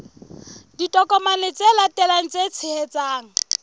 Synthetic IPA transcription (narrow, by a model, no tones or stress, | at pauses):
ditʼɔkʼɔmanɪt͡sʼelatʼɛlaŋ̩t͡sʼet͡sʰɪhɛt͡sʼaːŋ̩